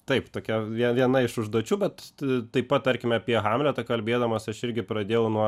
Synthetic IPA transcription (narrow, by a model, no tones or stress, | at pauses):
t̪ɐɪpt̪oːkʲɛʋʲiɛʋʲiɛnɐɪʃʊʒd̪uɔt͡ʃʲuːbʲɛt̪t̪ɐɪppɐt̚t̪ɐɾʲkʲɪmʲɛɐpʲiɛɣɑːmʲlʲɛt̪ɐkɐlʲbʲeːd̪ɐmɐsɐʃɪɾʲɡʲɪpɾɐd̪ʲeːjɛʊnuɔ